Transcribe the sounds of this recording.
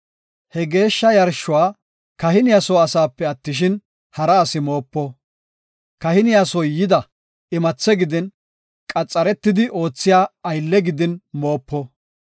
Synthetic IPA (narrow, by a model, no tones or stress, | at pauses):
hɛɡe̞ːʃːɐjɐɾʃːʊwaː | kɐhɪnɪjasɔːɐsaːpːɛɐt̪ːɪʃ̬ɪn | hɐɾɐːsɪmo̞ːpːɔ | kɐhɪnɪjasɔjjɪd̪ɐ | ɪmɐt͡sːɛɡɪd̪ɪn | kʼɐt͡sʼːɐɾɛt̪ːɪd̪ɪʔo̞ːt͡sːɪjaːɐjlːɛɡɪd̪ɪnmo̞ːpːɔ